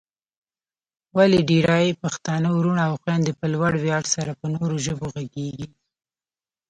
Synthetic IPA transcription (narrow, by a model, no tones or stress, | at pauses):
waleɖiɾɑjepaxt̪ɑnəwɾuɳaaːwxwand̪əpəlwaɽwjɑɽsaɾapənoɾoʒəboɣaɡeɡi